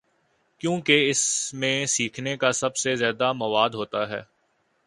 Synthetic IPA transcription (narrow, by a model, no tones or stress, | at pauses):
kjõːkeɪsmẽsiːkʰnekasɐbsezjaːd̪amɐʋaːd̪ɦoːt̪aɦɛ̰ː